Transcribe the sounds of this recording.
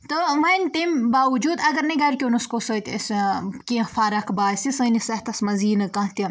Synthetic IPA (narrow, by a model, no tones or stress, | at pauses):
t̪oʋɐnʈimbaːʋud͡ʒuːd̪ɐɡɐɾnɐɡɐɾkʲonuskosoːt̪ɐ̰skʲĩfaːɾɐkbaːsisɐnisɐɦt̪ɐsmɐziːnɨkɐ̃ɦt̪i